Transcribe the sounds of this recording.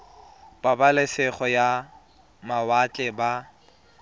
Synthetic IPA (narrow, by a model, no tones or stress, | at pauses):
pʼabalɛsɪχɔja | mawat͡ɬʼɛba